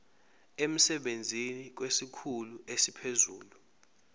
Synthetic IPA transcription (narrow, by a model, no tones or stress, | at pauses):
em̩sɛɓend͡zʱinik̬wesikʰuluʔesipʰezṵːlu